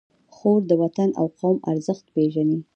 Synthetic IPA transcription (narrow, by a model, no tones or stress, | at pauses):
xoɾd̪əwat̪ana̰wqɑwma̰ɾzəxt̪peʒani